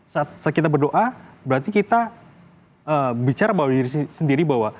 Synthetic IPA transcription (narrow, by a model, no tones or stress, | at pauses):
sat̪̚sakit̪abərdoʔabəɾart̪ikit̪a | əbit͡ʃaɾabawdiɾisisəndiɾibawa